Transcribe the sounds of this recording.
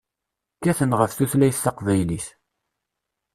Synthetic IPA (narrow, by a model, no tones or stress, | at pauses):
kːæθənʁəfθuθlæjθːɑqvæjliθ